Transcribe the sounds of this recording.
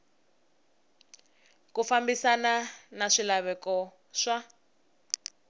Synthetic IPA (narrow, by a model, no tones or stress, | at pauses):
kufambisananaʂilaβɛkɔ | ʂa